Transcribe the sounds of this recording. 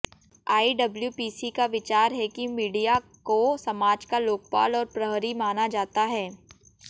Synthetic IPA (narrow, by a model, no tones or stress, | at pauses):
aːiɖɐbljupiːsikaʋɪt͡ʃaːɾɦɛkimiːɖijakosɐmaːd͡ʒkaloːk̚pa̰ːlɔːɾpɾɐɦɾimaːnad͡ʒaːt̪aɦɛː